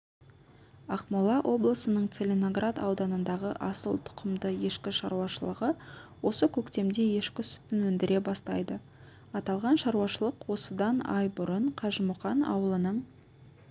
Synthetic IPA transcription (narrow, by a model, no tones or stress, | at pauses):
ɑqmulˠɑʔo̞blˠəsənəɴt̪selʲenoɡrat̪ɑ̰wd̪ɑnənd̪ɑʁəʔɑsə̰lˠt̪ʰʊ̥qʰəmd̪əje̞ʃkʲɪʃɑ̰ɾuwɑʃəlˠəʁəwo̞səkʲʰɵkt̪e̞md̪e̞je̞ʃkʲɪsʏ̥t̪ːɪnwɵnd̪ɪɾʔe̞bɑst̪ɑ̰jd̪ə | ɑt̪ɑlˠʁɑnʃɑɾuwɑʃəlˠəqwo̞səd̪ɑnɑ̰jbʊɾəɴqʰɑʒmʊχɑnɑ̰wəlˠənəɴ